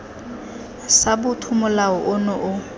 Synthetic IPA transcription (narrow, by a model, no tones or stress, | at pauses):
sabʊtʰʊmʊlaɔʔʊnɔʔʊ